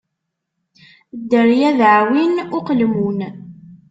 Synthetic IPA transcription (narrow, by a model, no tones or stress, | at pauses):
d̪ːəɾjæðʕwinʊqlmun